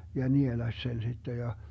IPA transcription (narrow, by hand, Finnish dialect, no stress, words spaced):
jɑ nielɑsʲ sen sitːe jɑ